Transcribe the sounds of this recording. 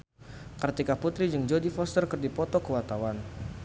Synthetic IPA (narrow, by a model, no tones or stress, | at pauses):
kərt̪ikaput̪ɾid͡ʒɨŋd͡ʒodifɔst̪ərkərdipɔt̪ɔkəwat̪awan